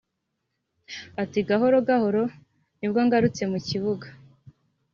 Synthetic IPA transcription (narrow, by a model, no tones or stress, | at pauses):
atiɡaɦo̞ɾo̞ɡaho̞ɾo̞ | nibɡoŋɡaɾut͡se̞muciβuɡa